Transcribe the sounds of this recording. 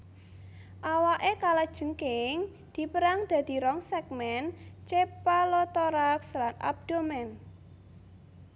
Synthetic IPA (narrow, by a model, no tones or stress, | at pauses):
ʔawaʔekalad̥ʒ̥ə̤ŋkɪŋ | d̪̥i̤pəɾaŋd̪̥ä̤d̪̥i̤ɾɔŋsɛk̚mɛnt͡ʃepalɔt̪ɔɾakslana̰b̚d̪̥omɛn